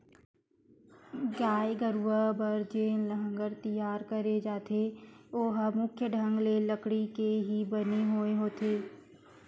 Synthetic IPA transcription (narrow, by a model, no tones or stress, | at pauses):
ɡaːeɡəɾʋəbɐɾd͡ʒeːləɦə̃ŋɡəɾt̪ijaːɾkəɾed͡ʒaːt̪ʰeoːɦəmʊkʰjəɖʱə̃ŋɡleləkɽikeɦibəneɦoeɦoːt̪ʰeː